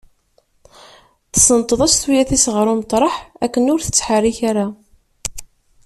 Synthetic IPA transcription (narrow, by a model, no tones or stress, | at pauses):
θə̥sənt̪ˤəðˤæst̪wijæθisəʁɾˤʊmət̪ˤɾˤəħækːənʊɾθə̥t͡sːħəriçaɾa